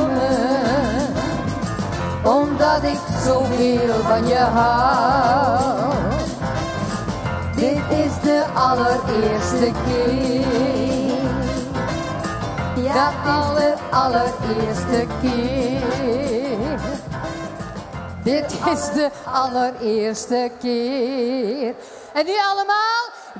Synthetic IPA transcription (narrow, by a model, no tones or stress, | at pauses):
ɔmd̪ɑd̪ɪksɔfɪlbɑnjæɦɑ | d̪ɛt̪ɪsd̪eʔɑlːəɾeːst̪əkʰɪ | dəɑlərɑlərɪːɹstəkɪː | r | dɪtɪzdəɑləɾɪːɹstəkeː | r | ɛnːyɑləmaːlˠ